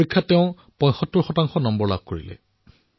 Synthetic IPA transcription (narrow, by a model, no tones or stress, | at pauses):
ikʰːateʊ̃ | pɔ̃j̃sɔtːɔɹxɔtaŋxɔnɔmbɔɹlab̚koɹilɛ̰